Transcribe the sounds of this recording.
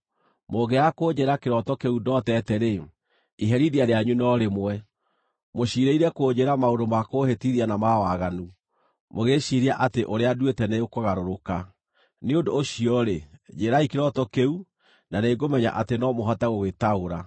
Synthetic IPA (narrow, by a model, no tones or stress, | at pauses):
moɣɡɛakoːd͡ʒeɾakeɾɔtɔkeudɔtɛtɛɾe | iɦɛɾiɾiaɾeaɲunɔɾemwɛ | moɕiɾeiɾɛkod͡ʑeɾamaondomakohetiɾianamawaɣanu | moɣeɕiɾiaʔateʔoɾeadwetɛneokoɣaɾoɾoka | neondoːɕiɔɾed͡ʒeɾaikeɾɔtɔkeu | naneɡomɛɲa̰ʔatenɔmoɦataɣowetaoɾa